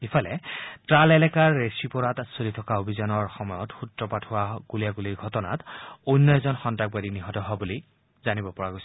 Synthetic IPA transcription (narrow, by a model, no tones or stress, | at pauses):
ipʰalɛtɹalɛlɛkaɹːesipɔɹatasolitʰɔkaobʱizɔnɔɹxɔmɔjɔtxutɹɔpatʰʊwaɡulijaɡuliɹɡʱɔtɔna̰tujnːɔzɔnxɔntaɡ̚badiniɦɔtɔɦɔbuli | zanibɔpɔɹaɡojsɔ